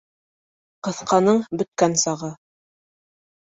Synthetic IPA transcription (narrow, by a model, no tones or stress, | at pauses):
qɤ̆θqɑnɤɴbɵ̆t̪̚kænsɑʁɤ